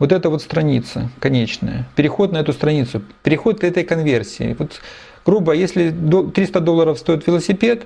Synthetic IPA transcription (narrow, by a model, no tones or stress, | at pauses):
vot̪ɛt̪əvo̞t̪st̪ɾɐnʲit̪sə̰kɐnʲet͡ɕnə̰jə̰pʲɪɾʲɪxo̞t̪nɐɛt̪ʊst̪ɾɐnʲit̪sʊpʲɪɾʲɪxo̞t̪̚ɛt̪əjkɐnvʲersʲɪɪ̰vot̪ | ɡ̥ɾubəjesʲlʲɪd̪ot̪ɾʲist̪əd̪olˠːəɾəfst̪ojɪt̪vʲɪlˠəsʲɪpʲe̞t̪